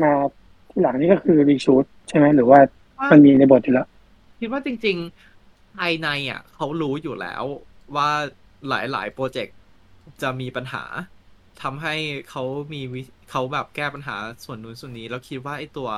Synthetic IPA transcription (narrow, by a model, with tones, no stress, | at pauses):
maː˧ | t̪ʰiː˥˩la˨˩˦ŋniː˥˩kɔː˥˩kʰɯː˧ɾiː˧suː˦˥t̪̚t͡ɕʰa˥˩jma˦˥jɾɯː˩˦waː˥˩ | ma˧nmiː˧na˧jboː˨˩t̪̚ʰːiː˨˩la˦˥ʔ | kʰi˦˥t̪̚waː˥˩t͡ɕi˧ŋt͡ɕi˧ŋ | t̪ʰaː˧jna˧ja̰˨˩kʰa˦˥wɾuː˦˥juː˨˩lɛ̰ː˦˥w | waː˥˩ | la̰ː˩˦jla̰ː˩˦jpɾoː˧t͡ɕe˨˩k̚ | t͡ɕa˨˩miː˧pa˧nɦa̰ː˩˦ | t̪ʰa˧mɦa˥˩jkʰa˦˥wmiː˧wi˦˥kʰa˦˥wbɛː˨˩p̚kɛː˥˩pa˧nɦaː˩˦su˨˩ənːu˨˩˦nsu˨˩ənːiː˦˥lɛː˦˥wkʰi˦˥t̪̚waː˥˩ʔa˧˩jt̪u˧ɐ